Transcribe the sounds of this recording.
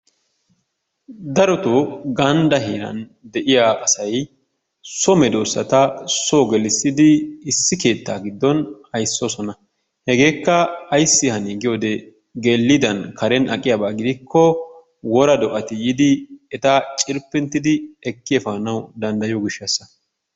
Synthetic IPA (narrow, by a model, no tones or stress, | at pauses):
d̪ɐɾɔt̪oɡɐnd̪ɐɦeːɾɐ̰nd̪ɛʔɪjaɐsɐj | sɔmɛd̪oːsːɐ̰t̪ɐsoɡɛlɪsːɪd̪ɪːsːɪke̞ːt̪ːaːɡɪd̪ːɔnhɐjsːosɔnɐ | hɛɡe̞ːkːɐːjsːɪhɐniːɡɪjoːd̪ɛ | ɡelːɪd̪ɐnkʰɐɾɛnɐkʼːɪjaːbaːɡɪd̪ɪkːɔ | wɔɾɐd̪ɔʔɐt̪ɪjɪd̪ɪɛt̪at͡ʃʼɪɾpːɪnt̪ːɪd̪ɪɛkːɪjɛfaːnɐwd̪ɐnd̪ɐjoɡɪʃːɐsːɐ̥